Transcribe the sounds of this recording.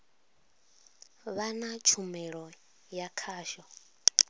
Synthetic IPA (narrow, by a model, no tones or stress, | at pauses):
βanat͡ʃʰumɛɺɔ | jakʰaːʃɔ